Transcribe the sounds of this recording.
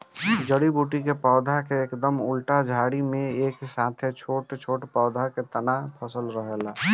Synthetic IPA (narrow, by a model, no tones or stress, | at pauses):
d͡ʒəɽibuːʈikepɔːd̪ʱakeːkd̪əmʊlʈad͡ʒʱaːɽimẽeːksãːt̪ʰet͡ʃʰoːʈt͡ʃʰoːʈpɔːd̪ʱaket̪ənapʰəsəlɾəɦɛla